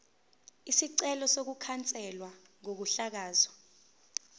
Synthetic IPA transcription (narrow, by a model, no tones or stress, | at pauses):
isiǀɛlɔsok̬ukʰant͡sʼɛlwaŋok̬uɬak̬aːzɔ̥